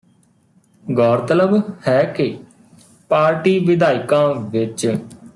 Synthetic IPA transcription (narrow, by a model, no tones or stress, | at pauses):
ɡɔːɾt̪ələbhɛːke | paːɾʈiːʋɪd̪aːɪkãːʋɪt͡ʃ